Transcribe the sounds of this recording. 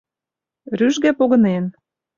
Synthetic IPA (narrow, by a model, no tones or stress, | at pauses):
ɾyʒɣæpoɣɤ̆nen